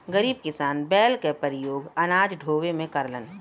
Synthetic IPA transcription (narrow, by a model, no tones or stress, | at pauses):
ɡəɾiːb̚kɪsaːnbɛːlkepəɾɪjoːɡɐnaːd͡ʒɖʱoːʋemẽkɐɾlən